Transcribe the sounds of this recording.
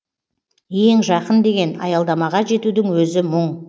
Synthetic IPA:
eŋʒɑqənd̪e̞ɡʲe̞nɑ̰jɑlˠd̪ɑmɑʁɑʒe̞t̪ud̪ɪŋwɵzɪməɴ

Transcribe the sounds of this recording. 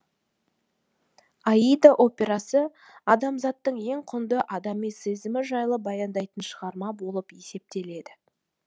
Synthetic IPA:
ɑijd̪aʔo̞pʲe̞ɾɑsə | ɑd̪ɑmzɑt̪ːəɴe̞ŋqʰʊnd̪əʔɑd̪ɑmijsezɪmɪʒɑjlˠəbɑjɑnd̪ɑjt̪ənʃəʁɑɾmɑbo̞lˠəpe̞se̞p̚t̪e̞le̞d̪ɪ

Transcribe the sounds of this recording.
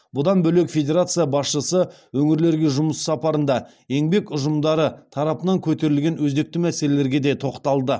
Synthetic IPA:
bʊd̪ɑnbɵle̞kfʲe̞d̪ʲe̞ɾat̪sɨjɑbɑsʃəsə | wɵŋɪɾle̞ɾɡʲeʒʊməsːɑpɑɾənd̪ɑ | je̞ŋbe̞kʊʒəmd̪ɑɾət̪ʰɑɾɑpənɑŋkʲʰɵt̪e̞ɾɪlɡʲe̞nwɵzd̪e̞k̚t̪ɪmæsele̞le̞ɾɡʲe̞d̪e̞t̪ʰo̞qt̪ɑlˠd̪ə

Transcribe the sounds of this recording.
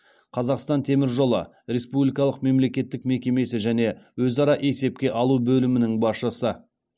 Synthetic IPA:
qʰɑzɑqst̪ɑnt̪ʰe̞mɪɾʒo̞lˠə̰ | ɾe̞spublijkɑlˠəqme̞mle̞kʲe̞t̪ːɪkme̞kʲe̞me̞sɪʒæne̞wɵzɑɾɑʔe̞se̞p̚kʲe̞ʔɑlˠubɵlɪmɪnɪŋbɑsʃəsə

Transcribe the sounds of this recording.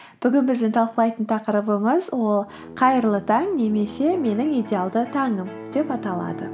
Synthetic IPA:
b̥ʏɡʲɪnbɪzd̪ɪnt̪ʰɑlˠqəlˠɑjt̪ənt̪ʰɑqəɾəbəməzwo̞lˠ | qʰɑjəɾlˠət̪ʰɑŋne̞me̞se̞me̞nɪŋidʲealˠd̪ət̪ʰɑɴəmd̪̥e̞pɑt̪ɑlˠɑ̰d̪ə̰

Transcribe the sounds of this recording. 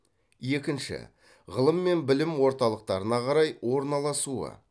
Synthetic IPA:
je̞kʲɪnʃɪ̰ | ʁəlˠəmːe̞nbɪlɪmwo̞ɾt̪ɑlˠəq̚t̪ɑɾənɑqʰɑɾɑjwo̞ɾnɑlˠɑsuə̰

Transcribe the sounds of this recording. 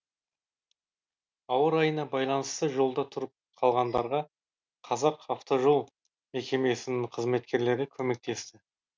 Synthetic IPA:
ɑwəɾɑjənɑbɑjlˠɑnəst̪əʒo̞lˠd̪ɑt̪ʰʊɾəp̚qʰɑlˠʁɑnd̪ɑɾʁɑ | qʰɑzɑqɑft̪o̞ʒo̞lˠ | me̞kʲe̞me̞sɪnɪŋqʰəzme̞t̪kʲe̞ɾle̞ɾɪkʲʰɵme̞k̚t̪e̞st̪ɪ

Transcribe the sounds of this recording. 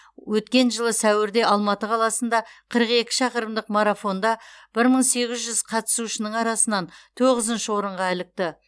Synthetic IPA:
wɵt̪kʲe̞nʒəlˠəsæwɪɾd̪e̞ʔɑlˠmɑt̪əqʰɑlˠɑsənd̪ɑqʰəɾəqe̞kʲɪ̥ʃɑqəɾəmd̪əqmaɾafo̞nd̪ɑb̥ɪɾməɴse̞ɡʲɪzʒʏz̥qʰɑt̪ə̥suʃɪnəɴɑɾɑsənɑnt̪ʰoʁəzənʃəwo̞ɾəɴʁɑælɪk̚t̪ɪ

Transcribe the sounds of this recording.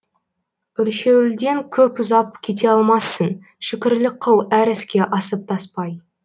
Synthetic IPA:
ʏlʃe̞wɪld̪e̞ŋkʲʰɵpʏzɑp̚kʲʰe̞t̪̬e̞ɑlˠmɑsːən | ʃɪkʲɪɾlɪk̚qʰːəlˠæɾɪskʲe̞ʔɑsəp̚t̪ʰɑspɑj

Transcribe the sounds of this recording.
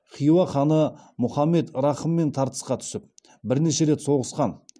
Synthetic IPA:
χijwɑχɑnəmʊχɑmːe̞t̪ɾɑχəmːe̞nt̪ʰɑɾt̪ə̥sqɑt̪ʰʏ̥sɪp̚ | bɪɾneʃe̞ɾe̞t̪so̞ʁəsqɑn

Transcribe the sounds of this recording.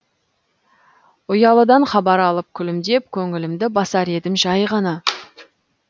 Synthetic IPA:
ʊjɑlˠəd̪ɑɴχɑbɑɾɑlˠəp̚kʲʰʏlɪmd̪e̞p̚kʲʰɵŋɪlɪmd̪ɪbɑsɑɾe̞d̪ɪmʒɑjʁɑnɑ

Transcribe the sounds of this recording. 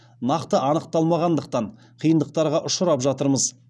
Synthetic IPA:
nɑqt̪əʔɑnəqt̪ɑlˠmɑʁɑnd̪əq̚t̪ɑɴ | qʰijənd̪əq̚t̪ɑɾʁɑʔʊʃʊɾɑpʒɑt̪əɾməz

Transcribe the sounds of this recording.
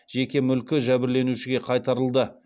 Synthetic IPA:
ʒe̞kʲe̞mʏlkʲɪʒæbɪɾle̞nuʃɪɡʲe̞qʰɑjt̪ɑɾəlˠd̪ə

